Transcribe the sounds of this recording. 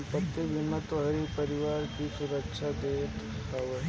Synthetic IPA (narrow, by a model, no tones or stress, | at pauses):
pət̪ːəʋʱɪnːət̪oɦɐɾipəɾɪʋaːɾkisuɾəkʃʰad̪eːt̪aʋə